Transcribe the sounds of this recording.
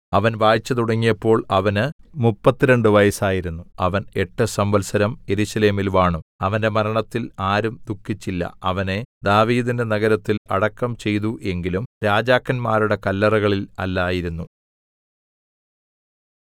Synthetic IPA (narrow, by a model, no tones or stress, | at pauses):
ɐʋɐnʋaːjit͡ɕːɐt̪uɽɐŋːijɐpːo̞ːɭɐʋɐnɨmupːɐt̪ːiɾeɳɖɨʋɐjɐsaːjiɾunːuɐʋɐneʈːɨsɐmbɐlsɐɾɐmje̞ɾusɐle̞ːmilʋaːɳuɐʋɐnde̞mɐɾɐɳɐt̪ːilaːɾumd̪ukʰːit͡ɕːilːɐ̰ɐʋɐne̞d̪aːʋiːðinde̞nɐɣɐɾɐt̪ːilɐɽɐkːɐmt͡ɕe̞jt̪uʔe̞ŋɡilumɾaːd͡ʑaːkːɐnmaːɾuɽe̞kɐlːɐrɐɣɐɭilɐ̰lːaːjiɾunːu